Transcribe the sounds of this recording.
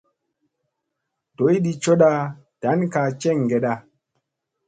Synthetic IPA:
to˨˦jɗi˨t͡ʃo˦ɗa˦ta˨˦nka˨t͡ʃɛ˦˨ŋɡe˨ɗa˦

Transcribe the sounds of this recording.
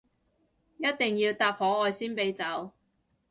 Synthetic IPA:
jɐ˥t̚t̪ɪ˨ŋjiː˧wt̪aː˧p̚hɔː˨˥ɔː˨˧jsiː˥npe˨˥jt͡sɐ˨˥w

